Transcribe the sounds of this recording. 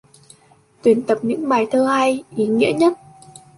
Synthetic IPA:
t̪wi˨˩ənt̪ə˨˩p̚ɲɨ̰˧˥ŋɓaː˨˩jt̪ʰəː˧ha˧jʔi˨˦ŋḭ˧˥əɲə˦˥t̚

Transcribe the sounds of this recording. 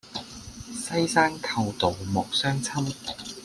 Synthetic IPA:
sɐ˥jsaː˥nkʰɐ˧wt̪o˨wmɔː˨k̚sœː˥ŋt͡sʰɐ˥m

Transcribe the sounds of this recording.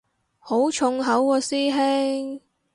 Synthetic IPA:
ho˨˥wt͡ʃʰʊ˧ŋɦɐ˨˥wkɔː˧siː˥ɦe˥ŋ

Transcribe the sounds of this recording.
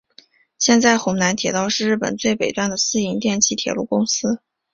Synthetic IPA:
ɕjɛ˥˧nt͡sa˥˩ɪxʊ˧˥ŋna˧˥nt̪ʰjɛ̰˨˧˥t̪ɑ˥˧ʊʂɻ̩˥˧ɻ̩˥˩pə̰˨˩nt͡swe˥˩ɪpe˨˩ɪt̪wa˥nd̪ə˨sɹ̩˥i˧˥ŋt̪jɛ˥˧nt͡ɕʰi˥˩t̪ʰjɛ̰˧˥lu˥˩kʊ˥ŋsɹ̩˥

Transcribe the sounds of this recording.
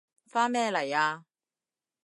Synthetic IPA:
faː˥nmɛː˥lɐ˨˩jaː˧

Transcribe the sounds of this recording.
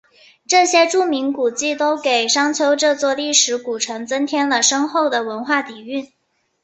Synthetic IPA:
ʈ͡ʂɤ˥˩ɕjɛ˥ʈ͡ʂu˥˩mi˧˥nku˨˩t͡ɕi˥˩t̪o˥ʊke˨˩ɪʂɑ˥ŋt͡ɕʰjo˧˥ʊʈ͡ʂɤ˥˧t͡swɔ˥˧li˥˩ʂɻ̩˧˥ku˨˩ʈ͡ʂʰɤ˧˥ŋt͡sə˥nt̪ʰjɛ˥nlə˨˩ʂɤ˥ŋxo˥˩ʊd̪ə˩wə˧˥nxwa˥˩t̪i˨˩y˥˩n

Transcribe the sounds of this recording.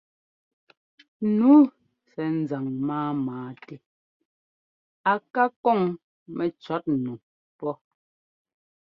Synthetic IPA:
nu˨˦ | sɛ˨n̩˨˦za˨ŋmaː˦maː˨˦te˦ | a˨ka˦kɔ˦˨ŋ | mɛ˨t͡ʃɔ˨˦t̚nu˨ | pɔ˦

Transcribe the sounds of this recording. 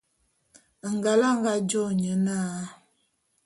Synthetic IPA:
ŋ˨ɡa˨la˦ŋ˦ɡa˦d͡ʒɔ˦ɲə˨˦naː˦˨˦

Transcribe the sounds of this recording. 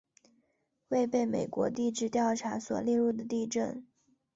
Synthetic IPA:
we˥˧ɪpe˥˩ɪme˨˩ɪkwɔ̰˧˥t̪i˥˧ʈ͡ʂɻ̩˥˧t̪jɑ˥˩ʊʈ͡ʂʰa˧˥swɔ̰˨˩ljɛ˥˧ɻu˥˩d̪ə˩t̪i˥˧ʈ͡ʂə˥˩n

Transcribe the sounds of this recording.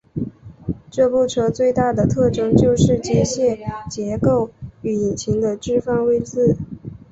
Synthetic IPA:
ʈ͡ʂɤ˥˧pu˥˩ʈ͡ʂʰɤ˥t͡swe˥˧ɪt̪a˥˩d̪ə˩t̪ʰɤ˥˩ʈ͡ʂɤ˥ŋt͡ɕjo˥˧ʊʂɻ̩˥˩t͡ɕjɛ˥ɕjɛ˥˩t͡ɕjɛ˧˥ko˥˩ʊy˨˩i˨˩t͡ɕʰi˧˥ŋd̪ə˧ʈ͡ʂɻ̩˥˧fɑ˥˧ŋwe˥˧ɪt͡sɹ̩˥˩

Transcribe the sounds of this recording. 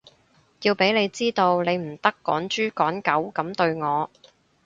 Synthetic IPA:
ji˧wpe˨˥jne˨˧jt͡siː˥t̪o˧wne˨˧jm̩˨˩t̪ɐ˥kːɔː˨˥nt͡ʃyː˥kɔː˨˥nkɐ˨˥wkɐ˨˥mt̪ɵ˧ɥŋɔː˨˧

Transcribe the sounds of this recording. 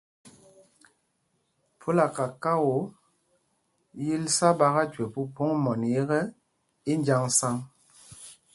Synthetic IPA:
pu˦la˨ka˨ka˦wo˨˦ | ji˦lsa˦ba˦ɣa˦twe˨pu˦po˦ŋmɔ˨n˨e˦ɣɛ˦ | i˦nd͡ʒa˦ŋsa˦ŋ

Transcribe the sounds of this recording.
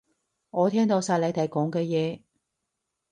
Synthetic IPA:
ŋɔː˨˧t̪ʰɛː˥ŋt̪o˨˧wsaː˧jlɐ˨˧jt̪ʰɐ˨˧jkɔː˨˥ŋkɛː˧jɛː˨˧

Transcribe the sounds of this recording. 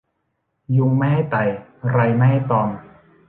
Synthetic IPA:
ju˧ŋmɛ˥ha˥˩jt̪a˨˩jɾa˧jma˥˩a˥˩jt̪ɔː˧ŋ

